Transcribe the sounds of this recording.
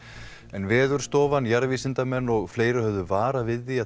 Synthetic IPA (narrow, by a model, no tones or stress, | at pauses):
ɛnvɛːðʏɾ̥st̪ɔːvanjaɾviːsɪnt̪amɛnːɔɣfleːjɾɪhœvðʏvaːɾavɪðːia